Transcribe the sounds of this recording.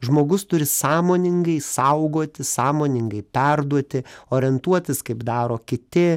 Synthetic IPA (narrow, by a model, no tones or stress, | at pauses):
ʒmoːɡʊst̪ʊɾʲɪsɑːmoːnʲɪŋɡɐɪsɐʊɡoːt̪ʲɪsɑːmoːnʲɪŋɡɐɪpʲɛrd̪uɔt̪ʲɪoːɾʲɛnt̪uɔt̪ʲɪskɐɪpd̪ɑːɾoːkʲɪt̪ʲɪ